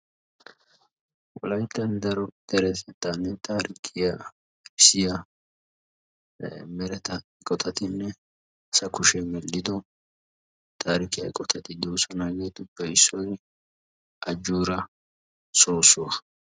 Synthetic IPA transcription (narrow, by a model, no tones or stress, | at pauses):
wɔ̰lɐjt̪ːɐnd̪ɐɾɔd̪̥ɛɾɛsɛt̪ːanːɛt̪aːɾɪkʰːɪja | ɪsɪja | mɛɾɛt̪ɐɪkʼɔt̪ʰɐt̪ɪnːɛ | ɐsɐkʊʃɛmɛlːɪd̪ɔ | t̪ʰʼaːɾɪkːɪjɐ̰ɪ̰kʼɔt̪ɐt̪ɪd̪uːsɔnaːɡeːt̪ʊbɛɪsːɔj | ɐd͡ʒːuːɾɐ | soːsʊwɐ